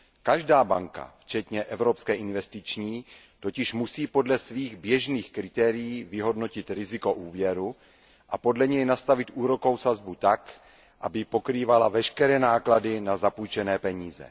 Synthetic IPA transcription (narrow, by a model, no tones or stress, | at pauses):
kaʒdaːba̰ŋka̰ft͡ʃɛt̪ɲɛʔɛvɾopskɛːʔɪnvɛst̪ɪt͡ʃɲiː | t̪o̞cɪʃmusiːpo̞dlɛsviːɣbjɛʒniːxkɾɪt̪ɛːɾɪjiːvɪɦo̞dno̞cɪt̪ɾɪzɪko̞ʔuːvjɛɾu | ʔapo̞dlɛɲɛjnast̪avɪt̪ʔuːɾo̞ko̞wsazbut̪ak | ʔabɪpo̞kɾiːvalavɛʃkɛɾɛːnaːkladɪnazapuːt͡ʃɛnɛːpɛɲiːzɛ̰